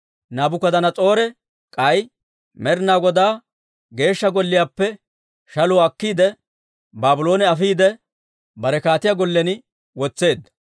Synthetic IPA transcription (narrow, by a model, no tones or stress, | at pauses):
naːbʊkɐd̪ɐnɐt͡sʼo̞ːɾɛ | kʼɐj | mɛɾnaːɡɔd̪aː | ɡe̞ːʃːɐɡɔlːɪjaːpːɛ | ʃɐlʊwɐkːiːd̪ɛ | baːbʊloːnɛɐfiːd̪ɛ | bɐɾɛkaːt̪ɪjaɡɔlːɛnɪ | wɔt͡sːe̞ːd̪ːɐ